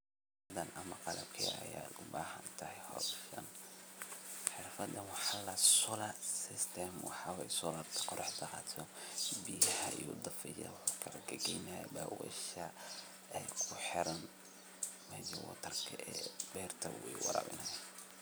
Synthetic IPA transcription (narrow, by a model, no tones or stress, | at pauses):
ɐd̪ɐnʔɐmɐqɑlɐ̰bkʰɛ̰ɐ̰jaːd̪ʊbaːhɐnt̪ʰɐhɛjhɔ̰ʃɐ̰n | ħɪrfɐd̪ɐnwɑħɑlɐsɔlɐsɪst̪ʰɛmwɑ̰ħɑwɛjsɔlarʰqɔɾɑħd̪ɐqɑt̪ʰɔbijɐħɐʔḭjɔd̪ɐfɛjɐ̰wħukʰɐlɐɡɐɡɛjna̰baːwɛ̰ʃɐ | ɛjkʰʊħɪɾɐn | mɛjɐwɔ̰t̪ʰɐrkʰɐʔɛːbɛːrt̪ʰɐwɛ̰jwɑ̰ɾɐ̰bɪ̰nɐj